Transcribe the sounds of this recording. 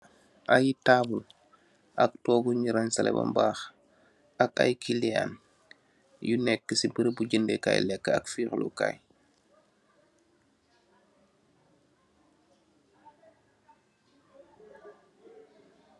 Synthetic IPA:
ʔajtaːbul | ʔak̚tɔːɡuɲiɾansɐlɛ̰bɐ̰mbaːx | aka̰jkʰilia̰n | junɛkːəsibəɾəbuɟəndḛka̰ːjlɛkːəa̰kfiːxlṵka̰j

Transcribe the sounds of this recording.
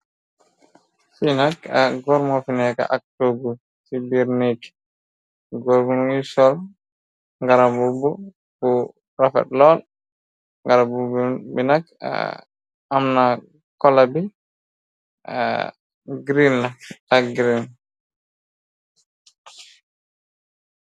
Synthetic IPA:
sinaka̰ɡɔɾmɔfinɛka̰ʔak̚toɡu | sibiɾnik | ɡɔɾɡunuisɔl | ŋɡaɾabubu | bu | ɾafɛ̰t̚lɔl | ŋɡaɾabubbinaka̰ | amna | kɔlabi | a̰ | ɡɾinːaaɡɾin

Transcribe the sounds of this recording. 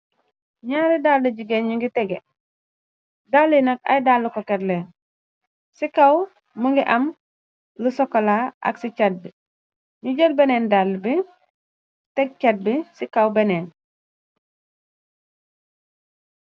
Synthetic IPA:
ɲaːɾidaːldɐɟiɡeɲɲuŋɡitɛɡe | dalːinɐk̚a̰jdalːukokɛtleːn | sikaw | muŋɡiʔɐm | lusɔkːolaʔɐ̰ksit͡ʃad̚bi | ɲuɟəl̚beneːndalːbi | tɛɡ̚ket̚bisikawbeneːn

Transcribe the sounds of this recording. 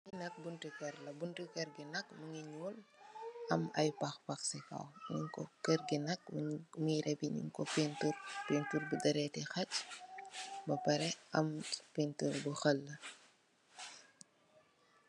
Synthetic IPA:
ɲinɐk̚buntikɛɾlɐbuntikɛrɡinɐkmɐŋiɲuːl | ɐmɐ̰jpɐxpɐxsika̰wɲiŋkɔkərɡinɐk̚muɾɛbiɲḭŋkɔpenturpenturbudɐɾɛːtɛxɐc | bɐpɐɾɛʔɐmpenturbuxɐlːɐ

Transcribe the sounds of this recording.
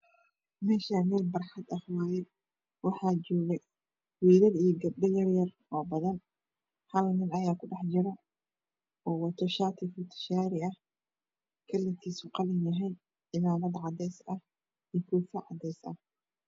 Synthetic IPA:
mɛːʃamɛːlbɐrħɑd̪ɐhwaːjɛ | wɑħɑːt͡ʃɔːɣɛ | wiːɾɐɾijɔɡɐbɖɐjɐrjɐrʔɔːbɐðɐn | hɐlnɪnɐjaːkʰʊɖɑħt͡ʃɪɾɐ | ɔːwɑt̪ʰɔʃaːt̪ʰɪfʊt̪ʰɪ̥ʃaːɾɪɐh | kʰɐlːɪk̪ʰiːsʊqɑlɪnɐɦɛjd̪ | ɪmaːmɐd̪ʕɑd̪ɛsɐh | ijkʰuːfɐʕɑ̰d̪ɛjsɐ̰

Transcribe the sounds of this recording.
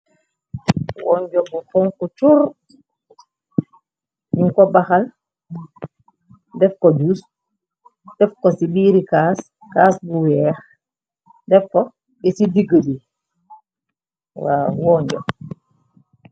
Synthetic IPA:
wɔɲd͡ʒɔbufɔŋkut͡ʃuɾ | ɲuŋkɔbaxal | dɛfkɔd͡ʒus | d̥ɛfkɔsibiːɾikaːs | kaːsbuwɛːx | dɛfkɔ | bɛsidiɡədi | wa̰ːwɔːɲd͡ʒɔ̰

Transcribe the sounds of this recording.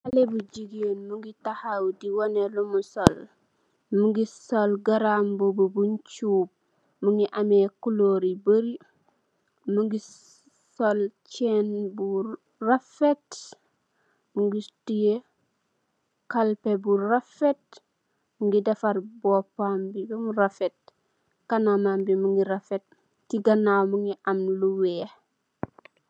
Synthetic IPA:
ʔalebuɟiɡonmuŋɡitahawdiwonelumusol | muŋɡisolɡaɾambobobuɲt͡ʃuːb̚ | muŋɡiʔamekuloːɾibəɾi | muŋɡi | solt͡ʃenbu | rafet | muŋɡitije | kalpebuɾafet̚ | muŋɡidefaɾbopambiɡumuɾafet̚ | kanamambimuŋɡiɾafet̚ | tiɡanawmuŋiʔamluwe

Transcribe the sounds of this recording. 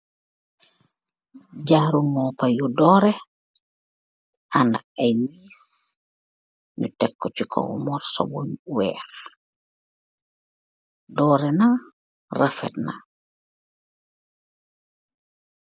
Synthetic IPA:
ɟaːɾunmɔpajudɔːɾɛ | ʔandakajniːs | nṵtɛkːɔt͡ʃikʰɔ̰wmɔɾsɔ̰boɲwɛːx | dɔːɾɛna | rafɛ̰t̚na̰

